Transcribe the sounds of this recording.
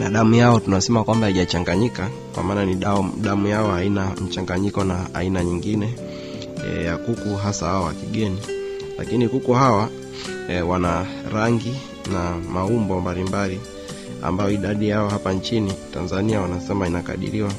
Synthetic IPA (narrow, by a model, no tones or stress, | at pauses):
naɗamujaɔtunaɔsɛmakwambahiʄat͡ʃaŋɡaɲika | kwa̰maːnaniɗaɗamujaɔhainam̩t͡ʃaŋɡaɲikɔna̰ːinaɲiŋɡinɛ | jakukuɦasahaɔwakiɠɛni | la̰kinikukuhawa | wanaɾaŋɡi | namaumbɔmbalimbali | a̰mbajɔiɗaɗijaɔhapant͡ʃinitanzaniawanasɛmainaka̰ɗḭɾiwa